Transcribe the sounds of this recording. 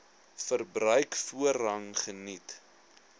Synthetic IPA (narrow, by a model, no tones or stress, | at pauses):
fərbɾœɥkfuəɾɐŋχənit